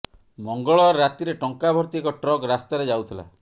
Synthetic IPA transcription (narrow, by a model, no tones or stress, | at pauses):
mɔŋɡɔɭɔːat̪iɾeʈɔŋkabʱɔɾt̪iekɔʈɾɔkɾast̪aɾed͡ʒawt̪ʰila̰